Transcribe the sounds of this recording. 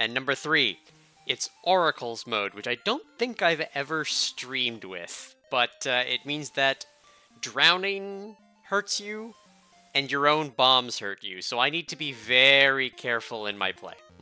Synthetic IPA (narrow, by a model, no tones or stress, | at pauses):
ɨ̃nːʌ̃mbə˞θɹi | ɨtsʔɔɹɨkʰl̩ˠzmoʊd̚wɨt͡ʃaɪdõʊ̃nθɪ̃ŋkaɪvɛvə˞stɹĩmd̚wɪ̰ð̥b̥ʌɾɪ̰t̚mĩnzðɨt | d̥ɹãʊ̃nɪ̃ŋ | hɜ˞tsjʉ | ɨ̃njə˞õʊ̃nbɑ̃mz̥hɜ̰˞t͡ʃʉ̰soʊaɪnid̚tʰɨbivɛɹikʰɛɹfl̩ˠɪ̰̃nma̰ɪpʰl̥ḛɪ